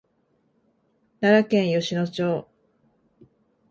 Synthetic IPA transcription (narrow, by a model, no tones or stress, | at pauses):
naɾakẽɰ̃joɕino̞t͡ɕoː